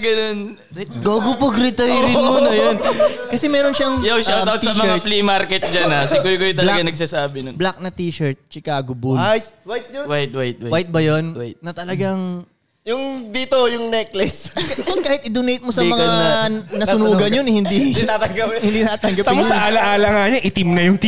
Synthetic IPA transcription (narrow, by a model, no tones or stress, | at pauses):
ɡɐnon | ɡaːɡʊpɐɡɾɪt̪ɐjɪmonɐjonkɐsɛmɛːɾonʃɐŋjawʃawt̪ːawt̪sɐmɐaflimaɾkɛt̪̚d͡ʒɐnasɪkʊjkojt̪ɐlɐɡɐnɐɡ̚saːsaːbɪnonblɐk̚nɐt̪iːʃɛɹt̪̚t͡ʃɪkaːɡobulwajt̪̚wajt̪̚wajt̪̚wawajt̪̚bɐjonwajt̪ːɐt̪ɐlɐɡɐŋ | jʊŋd̪iːt̪ojʊŋnɛklɪsɐnonkaːhɪt̪ʔɪd̪onejt̪̚mosɐmɐŋanɐsʊnuːɡɐnjonɪhɪnd̪iat̪ɐŋɡɐphɪnd̪inaːt̪ɐŋɡɐp̪ːɪpsɐʔaːlɐʔaːlɐŋaːɲɐʔɪt̪ɪmnɐjʊŋt̪